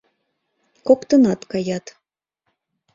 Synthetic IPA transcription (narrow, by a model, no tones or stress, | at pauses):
kokt̪ɤnɑt̪kɑjɑt̪